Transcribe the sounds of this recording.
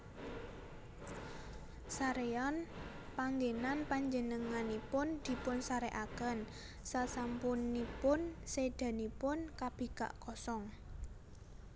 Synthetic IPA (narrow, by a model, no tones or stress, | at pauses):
saɾeɔn | paŋɡenanpaɲd͡ʒənəŋanipʊnd̪̥i̤pʊnsaɾeʔakən | sasampunːipʊnsed̪̥a̤nipʊnkab̥i̤ka̰ʔkɔsɔŋ